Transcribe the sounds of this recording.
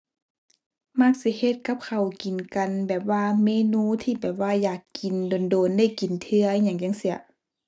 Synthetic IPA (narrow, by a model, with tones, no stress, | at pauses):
ma˧˥˩k̚si˧˦he˧t̪̚ka˧˦˥p̚kʰa˨˩wki˨nka˨nbɛː˨˩p̚waː˧˨meː˧˨nuː˧˥˨t̪ʰiː˧˩˨bɛː˨˩p̚waː˧˩jaː˨˩kːi˨ndo˨ndoː˨nda˧˥˩jki˨nt̪ʰɯ˧ɐ˧˦ɲa˧˩ŋja˧˩ŋsi˧˩ɐ